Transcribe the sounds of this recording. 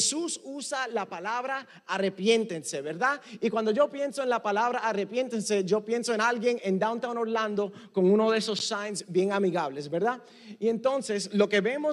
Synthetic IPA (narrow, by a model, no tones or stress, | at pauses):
sususalapalaβɾaː | re̞pjẽ̞nt̪e̞nse̞βeɾðaikwand̪o̞ʝo̞pje̞nso̞enlapalaβɾaːre̞pjẽ̞nt̪ense̞d͡ʒo̞pje̞nso̞enalɡje̞ŋẽnd̪awnt̪awnoɾlãnd̪o̞ko̞ŋunoðeso̞sːajnsbje̞ŋamiɣaβle̞sbeɾða | iẽ̞nt̪o̞nseslo̞ke̞βe̞mo